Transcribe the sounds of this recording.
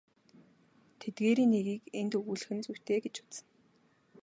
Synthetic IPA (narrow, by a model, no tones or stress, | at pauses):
t̪ʰet̪̚ɡeːɾiːnːeɣiːkent̪ɵɣuːɮɘ̆xɘ̆nt͡suw̥ʲt̪eːɡet͡ɕʊ̥t̪sə̆n